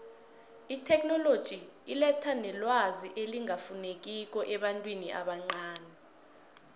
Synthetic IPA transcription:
itʰɛk̚nɔlod̥ʒ̥ʱiilɛtʰanɛlwaziʔeliŋafunek̬ik̬ɔʔɛɓantʼwiniʔa̰ɓaŋ͡ǀaːnɛ

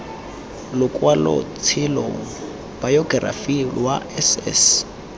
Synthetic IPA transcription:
lʊkʼwalɔ̰t͡sʰɪlɔ | b̥ajɔɡra̰filwaɛsɛ̰s

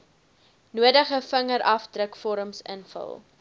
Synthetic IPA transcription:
nuədəχəfəŋəɾʔɐfdrəkfɔɾəmsə̰nfə̰lˠ

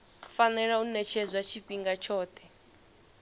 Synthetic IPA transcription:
fanɛɺaunɛt͡ʃʰɛzwat͡ʃʰipʼiŋɡat͡ʃʰɔːt̪ʰɛ

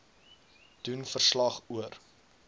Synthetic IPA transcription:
d̥unfərslɐχuər

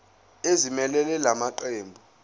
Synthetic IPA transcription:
ezimɛlɛlɛlamaǃeːmbʱɔ

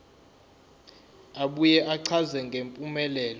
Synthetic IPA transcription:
aɓujɛʔaǀʰazɛŋɡʱempʼumɛlɛːlɔ

